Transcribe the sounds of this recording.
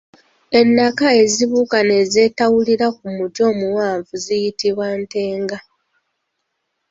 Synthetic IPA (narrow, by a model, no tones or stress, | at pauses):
e̞nːakae̞ziβukane̞ze̞ːtawuliɾak̚umutjo̞ːmuwaːɱvuzijitiβwante̞ːŋɡa